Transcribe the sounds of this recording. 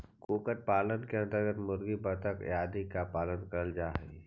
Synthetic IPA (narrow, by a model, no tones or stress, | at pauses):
kuːkəɾ̚paːlənkeə̃nt̪əɾɡət̪mʊɾɡibət̪əkjaːd̪ikapaːlənkəɾəld͡ʒaːɦɛ